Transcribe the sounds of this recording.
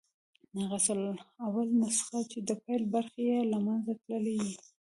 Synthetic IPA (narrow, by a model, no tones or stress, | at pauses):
aɣasəlawalnasxat͡ʃed̪əpajlbaɾxejelamanzat̪ləleɡi